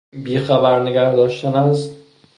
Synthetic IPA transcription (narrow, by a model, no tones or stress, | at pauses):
biːxæbæɾneɡæɾd̪ɒːʃt̪ænæzt̪